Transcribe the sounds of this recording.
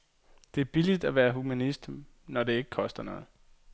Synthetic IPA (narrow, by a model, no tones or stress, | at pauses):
d̥e̝æɐb̥ilid̥æʋæːɐɦumænisd̥ | nɒd̥e̝e̝ɡ̥əkʰɒ̽sd̥ɐnɔ̽ːð̩ˠ